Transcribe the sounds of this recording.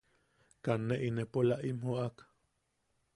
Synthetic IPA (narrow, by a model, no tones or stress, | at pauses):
kanːeʔinepolaʔimhoʔak